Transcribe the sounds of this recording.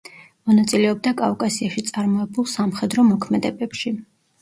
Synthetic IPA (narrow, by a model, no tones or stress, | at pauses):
mɔnat̪sʼilɛɔb̚d̪akʼafkʼasiaʃit̪sʼaɾmɔɛbulˠsamχɛd̪ɾɔmɔkʰmɛd̪ɛbɛpʃi